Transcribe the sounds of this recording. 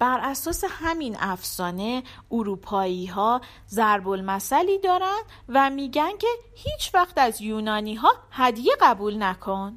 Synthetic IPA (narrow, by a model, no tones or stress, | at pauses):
b̥æɾʔæsɒːse̞hæminæfsɒːne̞uɾuːpʰɒːiːɦɒː | zæɾbo̞lmæsæliːd̪ɒːɾænd̪ | væmiːɟæncʰe̞hiːt͡ʃʰvæxt̪æzjuːnɒːniːɦɒːhæd̪jeɣæbuːlnækʰo̞n